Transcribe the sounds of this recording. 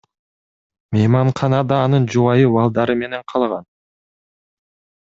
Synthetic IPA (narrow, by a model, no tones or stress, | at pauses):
mʲejmɑɴqʰɑnɑd̪ɑːnɯnd͡ʒuwɑjɯbɑlˠd̪ɑɾɯme̞ne̞ɴqʰɑlˠʁɑn